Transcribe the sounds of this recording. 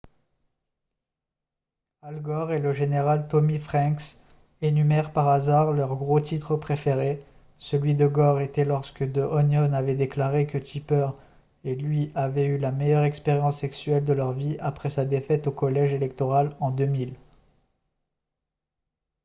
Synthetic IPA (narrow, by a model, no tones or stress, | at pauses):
alɡɔʁeləʒeneʁalt̪ɔmifχɛ̃ks | enymɛʁpaʁazaʁlœʁɡʁot̪it̪χəpχefeʁe | səlɥid̪əɡɔʁet̪ɛlɔʁskəd̪øʔɔnjɔnavɛd̪eklaʁekət̪ʰipœʁ | elɥiavɛylamɛjœʁɛkspeʁjɑ̃sːɛksɥɛld̪əlœʁviapχɛsad̪efɛt̪okɔlɛʒelɛkt̪ɔʁalɑ̃d̪ømil